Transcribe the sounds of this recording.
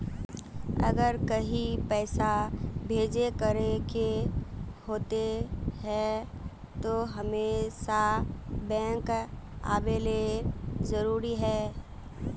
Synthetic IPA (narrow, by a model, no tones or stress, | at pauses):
ɐ̰ɡəɾkəɦipɛːsabʱeːd͡ʒekəɾeke | hoːt̪eɦɛ | t̪oɦɐmeːsabɛ̃ːŋk | a̰ːbeleɾzəɾuːɾiɦɛː